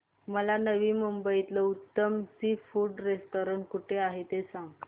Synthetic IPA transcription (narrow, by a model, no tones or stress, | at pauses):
məlanəʋiːmumbəit̪ləut̪ːəmsifuɖɾesʈ̪oɾəɳʈkuʈʰeaɦet̪esãŋɡ